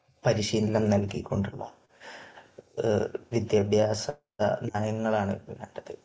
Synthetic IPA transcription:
pɐɾiɕiːnlɐmnɐlkikʲːo̞ɳɖuɭːo̰ː | ʋid̪jɐbʱjaːsɐ | ɐ̰naːjɐŋːɐɭaːɳɨʋḛːɳɖɐt̪ːɨ

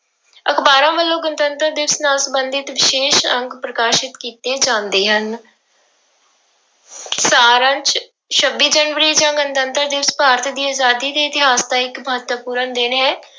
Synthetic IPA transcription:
əkʰbaːɾãːʋəlːõːɡənt̪ənt̪əɾd̪ɪʋsnãːsəbənd̪ɪt̪ʋɪʃeːʃəŋɡpɾəkaːʃɪt̪kiːt̪eːd͡ʒãːnd̪eːɦən | saːɾə̃ɲt͡ʃ | t͡ʃʰəbːiːd͡ʒəːnʋəɾiːd͡ʒãːɡənt̪ənt̪əɾd̪ɪʋspaːɾət̪ʰd̪iːaːzaːd̪iːd̪iːɪt̪ɪɦaːsd̪ãːɪkməɦət̪ʋəpuːɾənd̪ɪnɦɛː

